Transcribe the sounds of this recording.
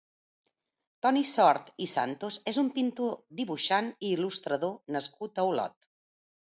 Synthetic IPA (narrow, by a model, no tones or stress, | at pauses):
t̪ɔnisɔɾt̪isa̰nt̪ozezumpint̪od̪iβuʃaniːlust̪ɾəðonəskut̪əwlɔ̰t̪